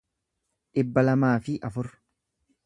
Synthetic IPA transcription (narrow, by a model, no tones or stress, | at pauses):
ᶑɪbːɐlɐmaːfɪʔɐfʊɾ